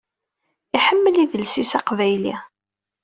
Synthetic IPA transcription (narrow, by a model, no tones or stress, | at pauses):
iħəmːəliðəlsisɑqvæjli